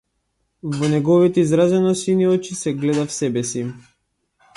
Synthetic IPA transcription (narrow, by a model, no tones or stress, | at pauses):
vɔnɛɡɔvit̪ɛizɾazɛnɔsiniɔt͡ʃisɛɡlɛd̪afsɛbɛsi